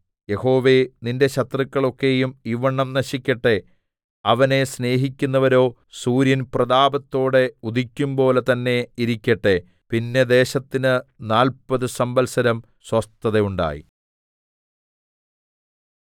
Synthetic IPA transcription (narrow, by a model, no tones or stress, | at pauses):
je̞ho̞ːʋe̞ninde̞ɕɐt̪rɐkːɐɭo̞kːe̞jumiʋɐɳːɐmnɐɕikʲːɐʈːe̞ | ɐʋɐne̞sne̞ːɦikʲːunːɐʋɐɾo̞ː | suːɾjɐnprɐd̪aːbɐt̪ːo̞ːɽe̞ud̪ikʲːumbo̞ːlet̪ɐnːe̞iɾikʲːɐʈːe | pinːe̞d̪e̞ːɕɐt̪ːinɨnaːlpɐðɨsɐmbɐlsɐɾɐm | swɐst̪ːɐðejuɳɖa̰ːjḭ